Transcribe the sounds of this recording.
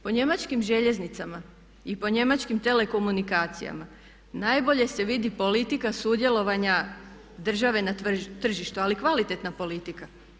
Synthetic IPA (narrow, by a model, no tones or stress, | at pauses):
po̞ɲe̞mat͡ʃkimʒe̞ʎe̞znit̪sama | ipo̞ɲe̞mat͡ʃkimt̪ele̞ko̞munikaːt̪sḭja̰ma | najbo̞ʎe̞se̞ʋid̪ipo̞lit̪ikasud̪je̞lo̞ʋaɲa | d̪r̩ʒaʋe̞nat̪r̩ʒiʃt̪ualikʋalit̪e̞t̪napo̞lit̪ika